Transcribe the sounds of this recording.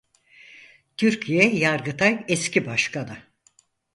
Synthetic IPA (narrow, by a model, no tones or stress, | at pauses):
t̪ʰyɾcʰijɛjaɾɡɯt̪ʰajɛscibaʃkʰanɯ